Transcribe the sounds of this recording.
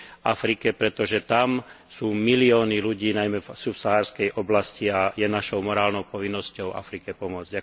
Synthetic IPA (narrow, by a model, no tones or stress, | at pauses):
afɾikɛpɾɛt̪ɔʒɛt̪am | suːmiliɔːniluɟiːnajmɛvsupsaɦaːɾskɛjʔɔblasciajɛnaʃɔʊmɔɾaːlnɔʊpɔʋinːɔscɔʊa̰fɾikɛpɔmʊɔd͡zɟa